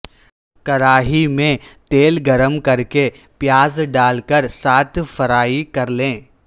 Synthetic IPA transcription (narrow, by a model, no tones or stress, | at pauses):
kɐɾaːɦimẽt̪eːlɡɐɾəmkɐɾke | pjaːzɖaːlkəɾsaːt̪ʰfɐɾaːikɐɾlẽː